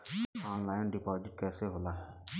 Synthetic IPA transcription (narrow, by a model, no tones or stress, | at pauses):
ɔːnlaːɪnɖipaːzɪʈ̚kɛːseɦolaːɦɛː